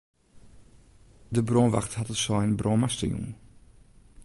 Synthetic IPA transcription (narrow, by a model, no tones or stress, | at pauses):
dəbrɔːʋa̰xthatəsɔjnbrʔoːmastə̰jṵŋ